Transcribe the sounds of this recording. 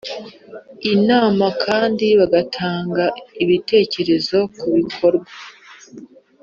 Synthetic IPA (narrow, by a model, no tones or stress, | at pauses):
inaːmakʰaːndiβaɡatʰaːŋɡaiβite̞ːce̞ɾe̞zo̞kuβikʰo̞ɾɡwa